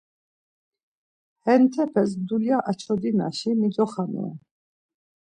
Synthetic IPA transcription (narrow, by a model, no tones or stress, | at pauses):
hɛnt̪ʰɛpʰɛs̬d̪uljaʔat͡ʃʰɔd̪ina̰ʃimid͡ʒɔχamɛ̰ɛ̰